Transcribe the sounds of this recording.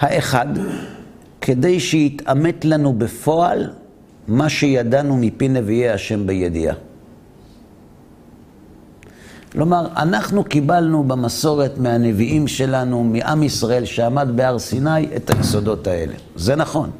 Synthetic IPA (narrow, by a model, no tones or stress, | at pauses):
haʔe̞χad | kʰe̞de̞jʃejit̪ame̞tlanube̞fo̞al | maʃe̞jadanumipine̞vieaʃe̞mbejed̪ḭa̰ | klo̞maʁa̰naχnukibalnubemaso̞ʁe̞tmeane̞viʔimʃe̞lanumiʔa̰misʁae̞lʃeamad̪be̞aʁsinaje̞̰tajeso̞do̞tae̞̰le̞̰ze̞naχo̞n